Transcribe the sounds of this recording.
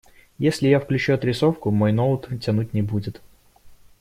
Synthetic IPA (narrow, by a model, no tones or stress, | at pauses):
jesʲlʲɪjafklʲʉt͡ɕuɐt̪ɾʲɪsofkʊmojnolˠət̪tʲɐnut̚ʲnʲɪbudʲɪt̪